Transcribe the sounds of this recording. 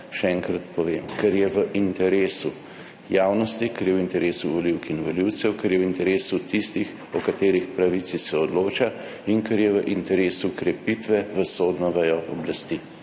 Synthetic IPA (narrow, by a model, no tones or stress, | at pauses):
ʃɛɛŋkɾat̪pɔʋemkɛɾjɛʋəʔint̪ɛɾeːsu | jaːwnɔst̪ikɛɾjɛwint̪ɛɾeːsuʋɔliwkinʋɔliwt̪sɛwkɛɾjɛwint̪ɛɾeːsut̪ist̪ix | ɔkat̪eːɾixpɾaʋit̪sisɛɔd̪loːt͡ʃa | iŋkɛɾjɛʋəʔint̪ɛɾeːsukɾɛpit̪ʋɛʋəsoːd̪nɔʋɛjɔʔɔblast̪i